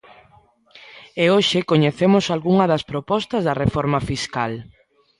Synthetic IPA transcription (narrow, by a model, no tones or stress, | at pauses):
eoʃɪkoɲeθemʊsalɣuŋɐðɐspɾopɔst̪ɐzðɐrefɔɾmɐfiskal